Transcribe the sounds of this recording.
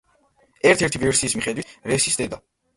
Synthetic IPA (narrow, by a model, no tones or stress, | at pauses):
ɛɾt̪ʰɛɾt̪ʰivɛɾsiːsmiχɛd̪wiɾɛsisd̪ɛd̪a